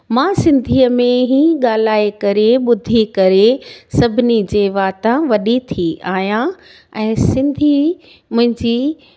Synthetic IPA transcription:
mãːsɪ̃nd̪ʱiːəmẽɦiːɠaːl̤aːekɐɾeɓʊd̪ʱikɐɾesɐbʱɪnid͡ʑeːʋaːt̪ãʋɐɗit̪ʰiaːɦjã | ɛ̃ːsɪ̃nd̪ʱi | mʊ̃ɦɪ̃ɲd͡ʑiː

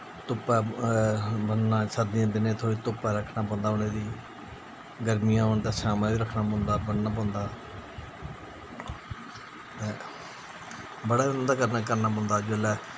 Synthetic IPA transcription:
t̪ʊpːɛː | bənːãːsʰəd̪ɪjãːd̪ɪnẽːt̪ʰoːɽiːt̪ʊpːɛːɾəkʰnãːpɔ̃ːnd̪aːʊnẽːd̪iː | ɡəɾmijãːɦoɳt̪ãːsaːmãːʋiːɾəkʰnaːpɔ̃ːnd̪aːbənːãːp̬ɔ̃ːnd̪aː | t̪ɛ̃ː | bəɽaːnd̪aːkəɾnaːkəɾnaːpɔ̃ːnd̪aːd͡ʒʊlɛː

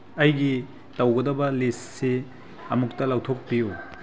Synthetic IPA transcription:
ɐjɡi | tɐwɡɐdɐbɐlisːi | ɐmuk̚tɐlawtʰok̚piju

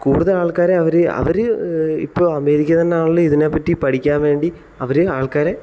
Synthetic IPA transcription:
kuːɽuðɐlaːɭkaːɾeɐʋɐɾɨɐ̰ʋɐɾɨḭpːoːɐme̞ːðikʲːɐt̪ɐnːeaːɳuɭːɨiðine̞pːɐʈːipɐɽikʲːaːnʋe̞ːɳɖi | ɐʋɐɾɨaːɭkaːɾe

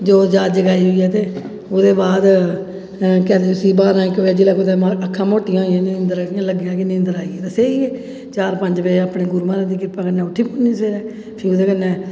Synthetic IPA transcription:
d͡ʒoːd͡ʒaːd͡ʒəɡaːiːɦoiːɛːt̪eː | od̪eːbaːd̪ | kɛːɾet̪siːbaːɾãːkoːɛːd͡ʒɪːlaːkːd̪eːəkʰːãːmoːʈɪjãːɪãːnɪnd̪əɾaɪjãːləɡjãːkɪñnd̪əɾaːiːɛːt̪əseːiːɛː | t͡ʃaːɾpəɲd͡ʒbeːaːpɽeːɡʊɾuːmaːɾãːd̪iːkɪɾpãːkənːɛːʊʈʰːiːpʊːnːiːseːɾɛː | pʰɪɾʊd̪eːkənːeː

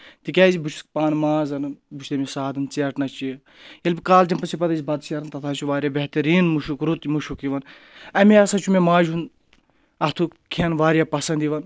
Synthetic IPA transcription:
t̪ikʲaːzibut͡ʃʰu̥skpaːnmaːzɐnɨnbut͡ʃʰd̪ɐmisaːd̪ɨnt͡seʈnɐt͡ʃi | jelbʲikaːld͡ʒɐmpɐsipɐd̪ɐzʲibɐd̪sɐɾɐnt̪ɐt̪ʰaːt͡ʃʰuʋaːɾʲjaːbeɦt̪ɐɾiːnmuʃukɾut̪muʃukiʋɐn | ɐmiɐsɐt͡ʃʰumemaːd͡ʒun | ɐt̪ʰukʰɐnʋaːɾjaːpɐsɐnd̪iʋɐn

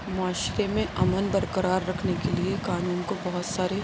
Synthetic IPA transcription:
mʊaːʃɾemẽʔɐmənbɐɾkəɾaːɾːɐkʰnekeliekaːnuːnkobɐɦʊt̪saːɾe

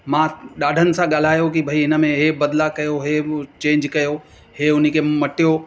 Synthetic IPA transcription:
mãːɗaːɖʱənɪ̆sãɠaːl̤aːjokibʱɐiɪnə̆mẽɦebɐd̪lakɐjoɦet͡ɕẽːɲd͡ʒkɐjo | ɦeːʊn̤ikʰemɐʈijo

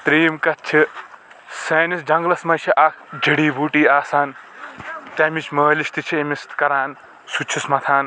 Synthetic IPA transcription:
t̪ɾiːmkɐt̚t͡ʃʰi | seːnisd͡ʒɐŋɡlɐsmɐt͡ʃʰiʔɐkʰd͡ʒiɽiːbuːʈiːaːsaːn | t̪ɐmit͡ʃʰməːlist̪it͡ʃʰiemist̪kɐɾaːn | sut͡ʃʰismɐt̪ʰaːn

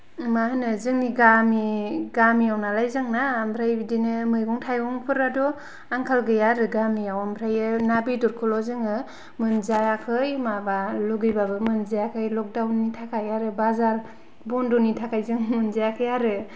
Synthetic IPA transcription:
mahɯnɯzɯŋniɡamiɡamijawnalajzaŋnambʰɾajbidinɯmɯjɡɔŋtʰajɡɔŋpʰɯɾadɔ | aŋkʰalɡɯjaɾɯɡamiawambʰɾajɯnabidɔɾkʰɯlɔzɯŋɯ | mɯnzaakʰɯjmabaluɡɯjbabɯmɯnzaakʰɯjlɔk̚dawnːitʰakʰajaɾɯbazaɾ | bɔndɔnitʰakʰajzɯŋmɯnzaakʰɯjaɾɯ

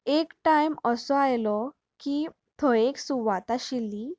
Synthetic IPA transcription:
ekʈajməsɔajlɔ | ki | t̪ʰɔeksuʋat̪aɕilːi

